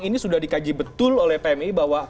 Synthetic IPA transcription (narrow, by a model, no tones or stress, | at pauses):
inisudahdikad͡ʒibət̪ʊlolɛhpeɛmibahwa